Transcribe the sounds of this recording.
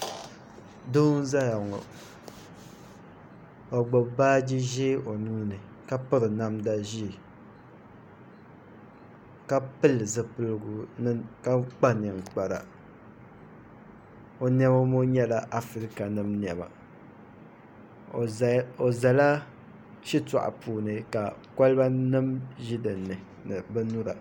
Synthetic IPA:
do˦n˦za˦ja˨ŋɔ̰˨ | o˨ɡ͡bɔ˨bbaː˦di˦ʒe˦ʔo˨nuː˦nɨ˨ | ka˦pɨ˦ɾɨ˨na˦mda˦ʒi˦˨ | ka˦pɨ˦lɨ˨zɨ˨pɨ˦lɨ˦ɡu˨nɨ˦ka˦k͡pa˦nɨ˨ŋ˨k͡pa˨ɾa̰˨ | o˨nɛ˦ba˦mo˦ɲɛ˦la˨ʔa˦fɨ˦ɾi˦ka˨nɨ˨mni˨ɛ˨ba̰˨ | o˨za˨la˦ | t͡ʃi˦ta̰˨ʔa̰˨pʰuː˨nɨ˨ka˨ka˦lba˦nɨ˦mʒi˦dɨ˨nɨ˨ | nɨ˨bɨ˦nu˦ɾa̰˨

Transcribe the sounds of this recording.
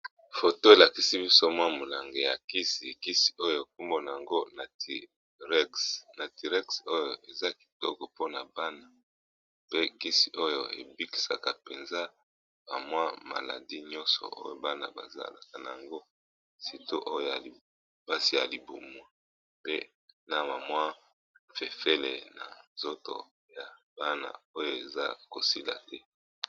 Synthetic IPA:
fo˨to˦e˨la˨ki˨si˦bi˦so˦mwa˦mo˨la˨ŋɡe˨ja˨ki˦si˨ki˦si̥˨o˦jo˦e˨k̚u˦mbo˦na˨a˨ŋɡo˦na˨t | na˨ti˨ʁɛ˦kso˦jo˨e˨za˦ki̥˨tɔ̰˦kɔ˨po˦na˨ba˦na˨ | pe˦ki˦si̥˨ʔo˦jo˨ḛ˨bi˦ki̥˨sa˨ka˨pe˨nza˦ | ba̰˨mwa˦ma̰˨la̰˨di˦ɲɔ̃˦nsɔ̰˨ʔo̰˦jo˦ba˦na̰˨ba˨za̰˦la̰˨ka˨na˨ja˨ŋɡo˦ | si˨to˦ʔo˦jo˦ja˨l | ba˦si˨ja˨li˨bu˨mwa˨ | pḛ˦ | na˨ma˨mwa˦ | fe˨fe˦lḛ˨na̰˨nzo˦to̰˨ | ja˨ | b̥a˦na̰˨o˦jo˦˨e˨za̰˦ko˨si˦la̰˨tɛ˦

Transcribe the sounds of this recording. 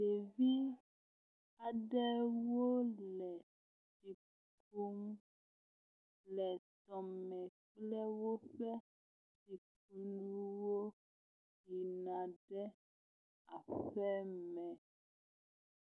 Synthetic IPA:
de˨vi˦ | a˨ɖɛ˦wo˦lɛ˨ | si˨ | k | u˦m | lɛ˨t̪ɔ˨mɛ̃˨k͡plɛ˦wo˦ɸɛ˦ | si˨k̚ | u˦nũ˦wo˦ | ji˨nã˨ɖɛ˦ | a˨ɸɛ˦mɛ̃˨

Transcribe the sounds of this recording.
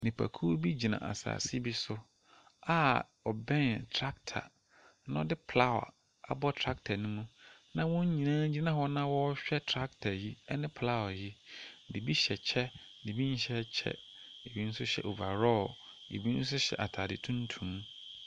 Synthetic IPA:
nɪ̃˨pʰa̰˨kʰu˦bi˦d͡ʑi˨nã̰˨ʔa̰˨sa̰ː˨si˦bi˦sʊ˦ | a˦ | ɔ˨bɛ̃˦˨ntʰɾa˦ktʰa̰˨ | ñ˦ɔ˦dɪ˦pʰla˦wa̰˨ | a̰˨bɔ˦tʰɾa˦k̚tʰa˨nũ˦mũ˦nã˦wʊ̃˦ɲ˦ɲĩ˨nãː˦d͡ʑi˦nã˦hɔ˦nã˦wɔ˦ɕᶣɛ˦tʰɾa˦ktʰa˨ji˦ɛ˦nɪ̃˦pʰla˦wa˨ji˦di˨bi˦ɕɛ˨t͡ɕʰɛ˦di˨bi˦n̩˦ɕɛ˦t͡ɕʰɛ̰˦e˨bi˦n̩˦sʊ˦ɕɛ̰˨ʔo˨va˨ɾɔ˦˨ | ḛ˨bi˦n̩˦s̬ʊ˦ɕɛ̰˨ʔa˨tʰaː˨dɪ˨tʰũ˦n˦tʰũ˨m

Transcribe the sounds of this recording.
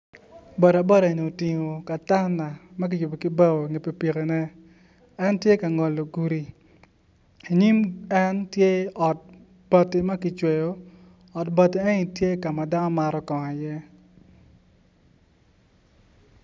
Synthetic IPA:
bɔ˨ɾa˨bɔ˦ɾa˨e˨ni˨o˨ti˨ŋo˨ka˨ta˦na˨mɐ˦k̬ɪ˨jʊ˨bo˨kɪ˦ba˦wo˨ŋe˨pe˨pi˨ke˨nɛ˦ | ɛ˦ntje˦ka˨ŋɔ˨lːo˨ɡu˨ɾi˨ | i˨ɲi˦mɛ˦ntje˦ɔ˨t̚ | b̥a˨tɪ˨mɐ˦kɪ˨t͡ʃwe˨jo˦ | ɔ˨tba˨ti˦e˦ŋi˨tje˦ka˨ma˨da˦nɔ˦ma˨ɾɔ˦kɔ˨ŋa˨jɛ˦

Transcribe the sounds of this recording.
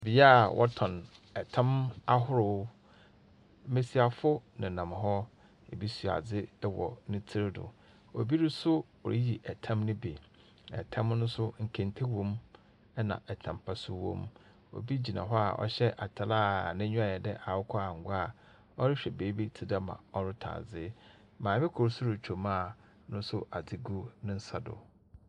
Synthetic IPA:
bi˨˦a˦˨wʔɔ̰˦tʰɔ̃˨n | ɛ˨tʰã˦ma˦ɦʊ˦ɾʊ˨˦ | mẽ˨si˨a˨fʊ˦nɪ̃˨nã˨m˨ɦɔ˦ | e˨bi˦su˨a̰˨d͡zɪ˦dɪ˦wɔ̰˨nɪ̃˦tʰɪ˦ɾɪ˦dʊ̰˨ | o̰˨bi˦ɾɪ˦sʊ˦wɔ̰˨ɾi˦ji˨ʔɛ˨tʰã˦mnʊ̃˦be˨ | ɛ̰˨tʰã˦mnʊ̃˦sʊ˦ŋ̩˨kʰẽ˨n˨tʰe˦wõ˦m | ɛ˦nã̰˨ʔɛ˨tʰã˨m˨pʰa˦sʊ˦wɔ̰̃˦m | o̰˨bi˦d͡ʑi˨nã̰˨ɦɔ˦a̰˨ʔɔ̰˦ɕɛ˦ʔa˨tʰa˨laː˦˨nɪ̃˦ɲᶣʊ̃˦a˨jɛ˨dɛ˦ʔa˨wʊ˦kʰɔ˦a˨ŋ̩˨ɡʷʊ˦a˦˨ | ɔ˦ɾɪ˦ɕᶣɛ˨beː˨˦bi˦tʰɪ˦da˦mã̰˨ɔ˦ɾʊ˦tʰa̰ː˨d͡zɪ˦ | mãː˨mɛ˦kʰʊ˨ɾʊ˦sʊ˦ɾʊ˨t͡ɕᶣʰo˨mãː˦˨ | nʊ̃˦sʊ˦ʔa˨d͡zɪ˦ɡu˦nɪ̃˦n̩˦sa˦dʊ̰˨

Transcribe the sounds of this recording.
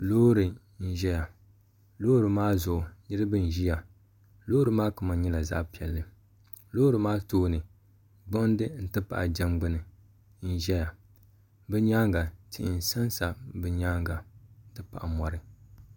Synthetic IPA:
loː˦ɾɨ˨ | n̩˦ʒɛ˦ja˨ | loː˦ɾɨ˨maː˦zʊ˨ʔʊ˨nɨ˦ɾɨ˦bɨ˦n˨ʒi˦ja˨ | loː˦ɾɨ˦maː˦kʊ˨ma˨ɲɛ˦la˨za̰˦ʔpi˨ɛ˨lːɨ˦˨ | loː˦ɾɨ˨maː˦toː˦nɨ˨ | ɡ͡bʊ˦n˦dɨ˦n̩˨tɨ˦pa̰˨ʔa˨d͡ʒɛ˦mɡ͡bɨ˦nɨ˨ | n̩˦ʒɛ˦ja˨ | bɨ˦ɲaː˦ŋɡa˨tʰḭ˨ʔɪ˨n˨sa˦nsa˨bɨ˨ɲaː˦ŋɡa˨n̩˨tɨ˦pa˨ʔa˨mɔ˨ɾɨ˨

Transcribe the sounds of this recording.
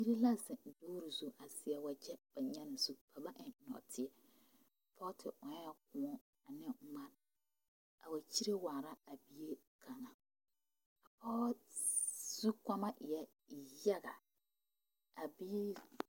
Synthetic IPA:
ji˦ɾi˦la˦zɪ̃˨doː˦ɾu˨zu˨ʔa˨sɪ˨ɛ˨wa˨d͡ʒɛ˦b̥a˨ɲɛ̃˦nɪ̃˨su˦pʰa˨ba˦ʔɪ̃˨nɔ̰˨tʰɪ˦ɛ˨ | pʰɔ˦tʰɪ˨ʔɔ̃˨ɲɛ˦ɛ˦kʰʊ̃˨˦ɔ̃˦ | a˨nɪ̃˦m̩˦mã˦n | a˨wa˨t͡ɕʰi˦ɾe˦waː˨ɾa˦a˨bi˦e˦ | kʰã˨ŋã˨ | a˨pʰɔ˦ | z̥u˦kʷa˦mã˦ʔɛ˦ | ja˦ɡa˨ | a˨bi˦˨

